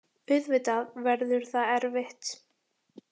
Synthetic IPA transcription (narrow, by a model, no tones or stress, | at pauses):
pʏðvɪt̪aðvɛɾðʏɾ̥θaðɛɾvɪht̪